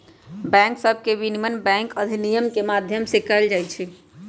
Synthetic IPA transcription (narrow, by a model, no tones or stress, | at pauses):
bɛ̃ŋksəb̚ʱkebinimənbɛ̃ŋkəd̪ʱinijəmkemad̪ʱjəmsekəld͡ʒajt͡ʃʰi